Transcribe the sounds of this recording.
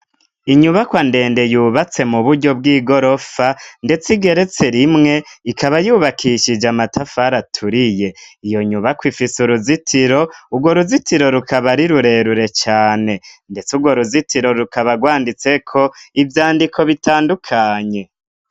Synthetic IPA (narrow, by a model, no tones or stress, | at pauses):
iɲuβakwande̞ːnde̞juːβat͡se̞muβuɾɟo̞b̚ɡiːɡo̞ɾo̞fande̞t͡siɡe̞ɾe̞t͡seɾimŋe̞ikaβajuːβakʰiʃid͡ʒamatʰafaɾatʰuɾije̞ijo̞ɲuβakwifisuɾuzitʰiɾo̞uɡwo̞ɾuzitʰiɾo̞ɾukʰaβaɾiɾuɾe̞ɾuɾe̞t͡ʃaːne̞nde̞t͡suɡwoɾuzitiɾo̞ɾukaβaɡwaːndit͡se̞kʰo̞ivjaːndikʰo̞βitaːndukʰaɲe̞